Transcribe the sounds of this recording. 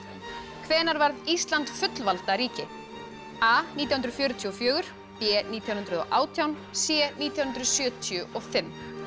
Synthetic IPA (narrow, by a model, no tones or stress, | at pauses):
kʰvɛːnaɾvaɾðist̪lant̪fʏt̪lvalt̪aɾiːcɪ | aniːt̪jawhnɾðfjʏːɾʏt̪ʰiɔfjœːɣʏɾ̥ | pɛːniːt̪jawnhʏnt̪ɾʏðɔ̰ʔaːwt̪ʰjawn | sjɛːniːt̪jawhʏnɾʏðsjœːt̪ʰiʏʔɔfɪm